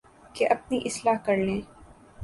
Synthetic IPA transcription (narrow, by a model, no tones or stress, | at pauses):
keʔɐp̚niʔɪslaːɦkɐɾlẽː